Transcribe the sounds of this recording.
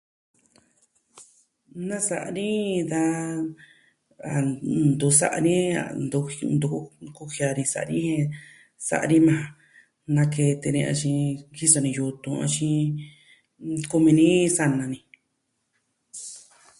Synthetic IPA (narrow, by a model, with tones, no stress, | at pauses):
nã˦sa˧ʔa˧nĩ˦d̪a˦˧ | a˨nd̪u˧sa̰˧ʔa˧nĩ˦a̰˨nu˧nd̪u˧ku˧hi˧a˧ɾĩ˧sa̰˧ʔnĩ˦hẽ˧ | sa̰˧˨ʔa˧ɾĩ˦mã˨˧ | nã˧ke˧t̪e˧nĩ˧ã̰˧t͡ʃĩ˧ki˦so˧nĩ˧ju˧t̪ũ˧ã̰˧t͡ʃĩ˧ | ku˧mĩ˧nĩ˦sa˧nã˧nĩ˧